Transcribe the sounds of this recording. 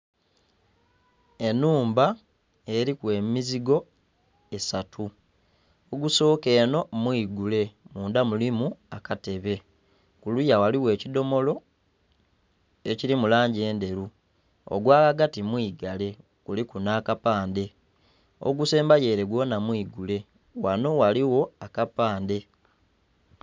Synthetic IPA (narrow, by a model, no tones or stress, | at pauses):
e̞nuːmba | e̞ɾikwe̞ːmiziɡo̞ | e̞satʰu | oɡuso̞ːke̞ːno̞mwiːɡule̞muːndamulimuakate̞βe̞ | kulujawaliwe̞ːcido̞mo̞lo̞ | e̞ciɾimulaːɲɟe̞ːnde̞ɾu | o̰ɡwaːkaɡatimwiːɡale̞ | kulikunaːkapaːnde̞ | o̰ɡuse̞ːmbaje̞ːɾe̞ɡwo̞namwiːɡule̞ | wano̞waliwo̞akapaːnde̞